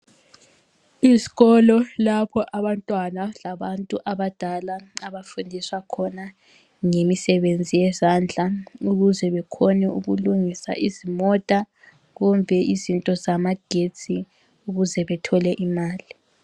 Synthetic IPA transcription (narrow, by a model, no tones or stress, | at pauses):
iziɣɔlɔlapʰɔʔaβantʼwanalaβantʼuʔaβad̥ʱalaaβafundʱiswakʰɔna | ŋemisɛβend͡zʱijɛzand͡ɮʱauɣuzɛβɛkʰɔnɛuɣuluŋisa̰ʔizimɔtʼa | ɣumbʱɛʔizintʼɔzamaɡ̥ʱet͡sʼi | uɣuzɛβɛtʰɔlɛʔimaːli